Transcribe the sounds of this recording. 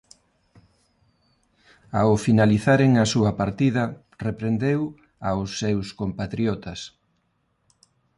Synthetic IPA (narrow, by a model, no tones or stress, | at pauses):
aʊfinaliθaɾeŋɐsuɐpaɾt̪iðɐ | repɾend̪ew | awsːewskompat̪ɾjɔt̪ɐs